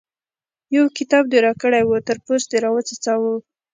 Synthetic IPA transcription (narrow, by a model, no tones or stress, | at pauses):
jawkɪt̪ɑb̚d̪eɾɑkəɽajwut̪əɾposd̪eɾɑwət͡sat͡sɑwu